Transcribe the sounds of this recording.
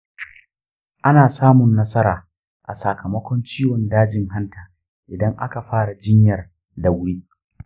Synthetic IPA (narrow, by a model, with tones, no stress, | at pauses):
ʔa˦naː˨saː˦mʊ˨nːɐ˦sɐ˦ɾaː˨ | ʔa̰˨sa˨kʰɐ˨mɐ˦kʷɔ˦nt͡ʃiː˦wɔ˨ndaː˦d͡ʒɪ˨ŋɦa˦ntaː˨ | ʔɪ˨dɐ˦ŋʔa˦ka˨ɸaː˦ɽa˨d͡ʒɪ˦ɲjɐ˨r | da˨wʊ˦ɽiː˦